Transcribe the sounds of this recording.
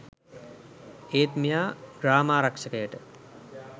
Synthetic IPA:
eːt̪mijaːɡɾaːmaːɾakʂəkəjəʈə

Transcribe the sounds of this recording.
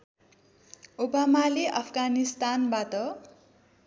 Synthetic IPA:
obamaleʔʌpʰɡanist̪anbat̪ʌ

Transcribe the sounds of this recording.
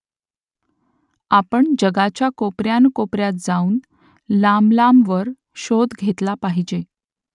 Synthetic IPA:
apəɳd͡ʑəɡat͡ɕjakopɾjankopɾjat̪̚d͡zauːn | lamlamʋəɾ | ɕod̪ɡʱet̪lapaɦid͡ʑe

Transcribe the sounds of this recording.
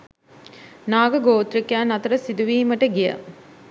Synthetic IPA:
naːɡɐɡoːt̪ɾikjaːnɐt̪ɐɾɐsid̪uʋiːmɐʈɐɡijɐ̰

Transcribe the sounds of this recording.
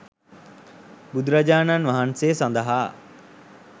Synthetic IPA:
bud̪ɾad͡ʒaːnanʋaɦansejsand̪ɐɦaː

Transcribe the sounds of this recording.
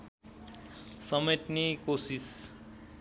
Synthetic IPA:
sʌmet̪nikosis

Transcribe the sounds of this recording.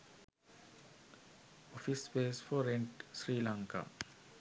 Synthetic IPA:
ɔfisbesfɔɾɛ̃nʈsɹiːlãŋka̰

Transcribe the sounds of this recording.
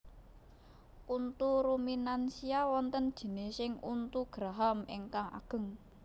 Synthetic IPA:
ʔunt̪uɾuminansiawɔnt̪ənd̥ʒ̥i̤nesɪŋunt̪uɡ̥ɾaɦameŋkaŋa̰ɡ̥ə̤ŋ

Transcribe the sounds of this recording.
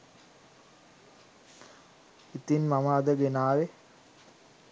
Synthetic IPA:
it̪inmaməːd̪əɡenaːʋe

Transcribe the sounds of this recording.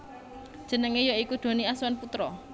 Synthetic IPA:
d̥ʒ̥ə̤nəŋejoikud̪̥o̤niaswanput̪ɾɔ

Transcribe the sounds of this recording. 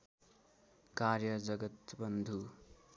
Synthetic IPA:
karjʌd͡zʌɡʌt̪bʌnd̪ʱu

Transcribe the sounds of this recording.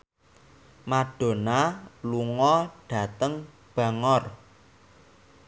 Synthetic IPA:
maɖ̥o̤naluŋɔɖ̥ä̤t̪əŋ | b̥ä̤ŋɔr

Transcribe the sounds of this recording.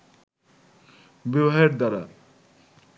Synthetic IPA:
bebɦaeɾd̪aɾa

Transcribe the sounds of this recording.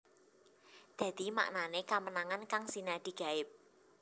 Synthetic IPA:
d̪̥ä̤d̪̥i̤ma̰ʔnanekamənaŋankaŋsinad̪̥i̤ɡ̥a̤ɪp̚

